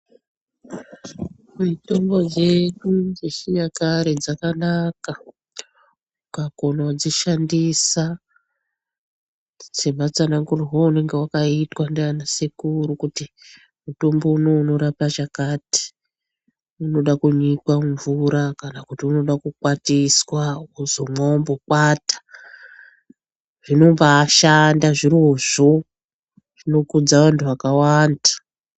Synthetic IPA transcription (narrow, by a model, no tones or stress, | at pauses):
muito̞mbo̞d͡ʒe̞ɲund͡zeʃiɲakaɾed͡zakanaka | ukakonawad͡ziʃandisa | se̞mat͡sanaŋɡuriɦoune̞ŋɡe̞wakaitwandeanasekuɾukuti | mutombounouno̞ɾapaʐakati̥ | unoɗakuɲikwaɱvuɾakanakutiuno̞ɗakukwatiswauzomo̞mbokwatḁ | ʐ̥ino̞mbaːʃandaʐiroʐo | ʐ̥ino̞kud͡zaʋantʰuwakawanda